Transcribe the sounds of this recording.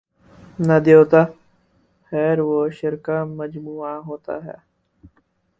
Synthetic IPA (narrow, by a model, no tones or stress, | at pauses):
nəd̪joːt̪aː | xɛːɾʋoːʃɪɾkaːməd͡ʒmuːaːɦoːt̪a̰ːɦɛ̰ː